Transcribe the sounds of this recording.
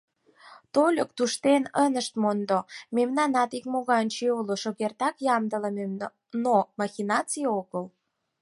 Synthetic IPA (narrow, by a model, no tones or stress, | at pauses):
t̪olʲək̚t̪uʃt̪enənəʃt̪mond̪omemnɑnɑt̪ikmoɣɑnʲt͡ɕiuloʃoɣert̪ɑkjɑmd̪ələmemn | nomɑxinɑt͡sijoɣəl